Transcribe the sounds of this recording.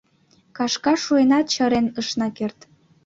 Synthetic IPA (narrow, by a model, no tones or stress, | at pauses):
kɑʃkɑʃuenɑt̪̚t͡ɕɤɾenəʃnɑkert̪